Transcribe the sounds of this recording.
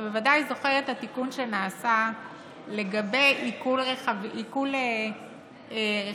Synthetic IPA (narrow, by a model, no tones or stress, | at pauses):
bevadajzo̞χeʁethatikunʃe̞naːsa | le̞ɡabe̞jikulʁeaviikule | ʁe